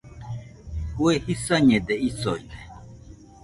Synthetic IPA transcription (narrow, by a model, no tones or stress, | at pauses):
wɛhisaɲɛ̃d̪ɛisɔi